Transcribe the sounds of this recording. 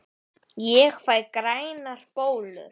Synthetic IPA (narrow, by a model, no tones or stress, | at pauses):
jɛɣfajðkɾaːjnaɾ̥poːwlʏ̰ɾ̥